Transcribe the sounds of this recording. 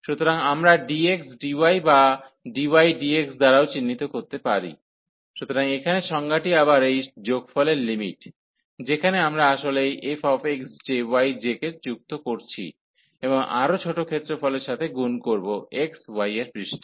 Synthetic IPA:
ʃut̪oɾaŋamɾaɖieksɖiwajbaɖiwajɖieksd̪aɾaot͡ɕinːit̪okoɾt̪epaɾḭ | ʃut̪oɾaŋekʰaneʃɔŋɡaʈiabaɾejd͡ʑoɡfʰɔleɾlimḭʈ | d͡ʑekʰaneamɾaaʃolejʔefɔfeksd͡ʑewajd͡ʑeketd͡ʑuk̚t̪okoɾt͡ɕʰḭ | eboŋʔa̰ɾot͡ɕʰoʈokʰet̪ːɾofɔleɾʃat̪ʰeɡunkoɾboekswajeɾpɾiʃʈ

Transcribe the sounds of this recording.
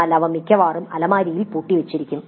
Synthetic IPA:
lɐʋɐmikʲːɐʋaːrumɐlɐmaːɾijilpuːʈːiʋet͡ɕːiɾikʲːum

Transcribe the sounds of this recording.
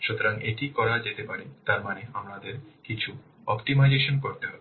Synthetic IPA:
ʃut̪oɾaŋeʈikɔɾad͡ʑet̪epaɽet̪aɾmaneamɾad̪eɾkit͡ɕʰu | ɔpʈimajd͡ʑeʃonkoɾt̪eɦɔbe

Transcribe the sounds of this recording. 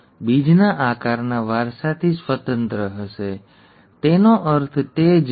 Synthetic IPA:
bid͡ʒnaʔakaɾnaʋaɾʃat̪ʰisʋət̪ənt̪ɾəɦəʃe | t̪enoʔəɾt̪ʰt̪ed͡ʒ

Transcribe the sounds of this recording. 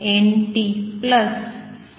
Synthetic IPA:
enʈipləs

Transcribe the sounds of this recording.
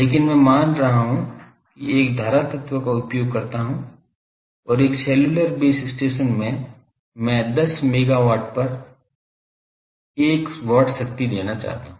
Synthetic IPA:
leːkɪnmɛ̃maːnɾɐɦaɦũ | kieːkd̪ʱaːɾat̪ɐt̪ʋəkaʊpjoːɡ̚kɐɾt̪aɦũ | ɔːɾeːkseːlʊləɾbeːsɪsʈeːʃənmẽ | mɛ̃d̪ɐsmeːɡaʋaːɾʈ̚pɐɾ | eːkʋɔːʈʃɐk̚t̪id̪eːnat͡ʃa̰ːɦt̪aɦũ

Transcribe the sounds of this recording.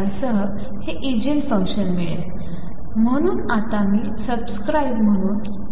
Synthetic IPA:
asəɦə | heʔid͡ʑinfə̃ŋɕənmiɭḛ | m̤əɽ̃uːnat̪amiːsəbskɾajbm̤əɽ̃uːn

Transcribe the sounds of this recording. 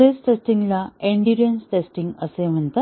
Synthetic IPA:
esʈesʈiŋɡlaeɳɖiɾɐnsʈesʈiŋɡɐseːʋɐnt̪ɐ

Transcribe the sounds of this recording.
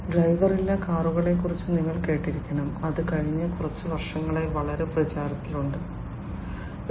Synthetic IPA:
ɖrɐjʋɐrilːɐkaːruɣɐɭe̞kːurit͡ɕːɨniŋːɐɭke̞ːʈːiɾikʲːɐɳɐmɐðɨkɐɻiɲːɨkurɐt͡ɕːɨʋɐrʂɐŋːɐɭe̞ʋɐɭɐɾe̞prɐt͡ɕaːɾɐt̪ːiluɳɖɨ

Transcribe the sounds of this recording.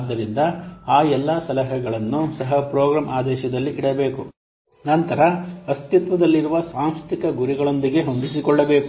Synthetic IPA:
d̪ːɐɾind̪ɐaːjɛlːɐsɐlɐɦɐɡɐɭɐnːusɐɦɐpɾoːɡɾaːmʔaːd̪ɛːʃɐd̪ɐlːiʔiɽɐbe̞ːku | nɐnt̪ɐɾɐɐst̪it̪ʋɐd̪ɐlːiɾuʋɐsaːmsɾt̪ikɐɡuɾiɡɐɭo̞nd̪iɡe̞ɦond̪isikɔɭːɐbe̞ːku

